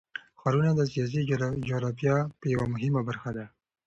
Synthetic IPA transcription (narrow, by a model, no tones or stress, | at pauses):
xaɾunad̪əs̬ijɑs̬id͡ʒoɾɑfjɑpəjawamʊɦɪmabaɾxad̪a